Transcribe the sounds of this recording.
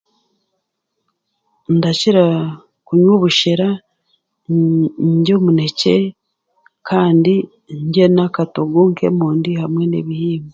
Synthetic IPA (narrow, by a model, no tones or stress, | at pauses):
ndaciɾa | kuɲwoβuʃeɾa | ɲɟo̞mune̞ce̞ | kʰaːndi | ɲɟenakatoɡuŋke̞̰muːndihamwe̞nḛβihiːme